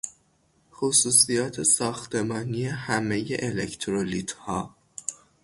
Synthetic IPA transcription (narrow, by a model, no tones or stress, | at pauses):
xosuːsijɒːt̪ʰe̞sɒːxt̪ʰe̞mɒːnije̞hæme̞je̞̰ʔelekʰt̪ʰɾoliːt̪ʰhɒː